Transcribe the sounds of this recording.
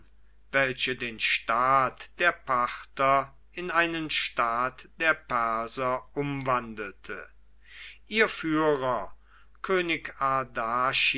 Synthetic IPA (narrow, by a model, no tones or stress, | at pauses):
vɛlʃədeːnʃtaːtd̥eːɐpʰaχtɐ | ɪnaɪnənʃtaːtd̥eːɐpɛɐzɐʊmvandl̩tʰə̰ | ʔiːɐfyːʁɐ | kʰøːnɪkaɐdaʃ